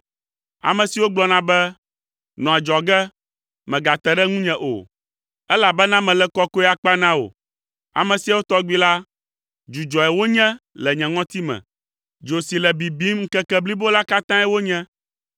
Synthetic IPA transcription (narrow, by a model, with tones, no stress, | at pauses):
a̰˨mɛ̃˨si˨wo˦ɡ͡blɔ˦nã˨bɛ˦ | nɔ̃˨ɛ˨d͡ʒɔ˨ɡɛ˦ | mɛ̃˨ɡa˨t̪ɛ˨ɖɛ˦ŋũ˦ɲɛ̃˨ʔo̰˨ | ɛ˦la˨bɛ˦nã˦mɛ̃˨lɛ˦kɔ˦ko˦ɛ˦a˨k͡pa˦nã˦wo̰˨ | a̰˨mɛ̃˨si˨a˦wo˦t̪ɔ˦ɡ͡bi˦la˦ | d͡ʒu˨d͡ʒɔ˨ɛ˨wo˦ɲɛ̃˦lɛ˨ɲɛ̃˨ŋɔ̃˦t̪i˦mɛ̰̃˨ | d͡ʒo˨si˨lɛ˨bi˨bi˦m˦ŋ̩˦kɛ˦kɛ˦bli˦bo˦la˦ka˦t̪ã˦ɛ˦wo˦ɲɛ̃˦